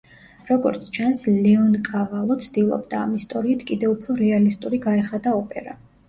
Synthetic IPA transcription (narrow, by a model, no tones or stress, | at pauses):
ɾɔɡɔ̰ɾt̪sʰt͡ʃʰanslɛɔnkʼavalˠɔt̪sʰd̪ilˠɔ̰bd̪a̰ːmist̪ʼɔɾiːt̪ʰkʼid̪ɛupʰɾɔɾɛalist̪ʼuɾiɡaɛχad̪aɔpʼɛ̰ɾa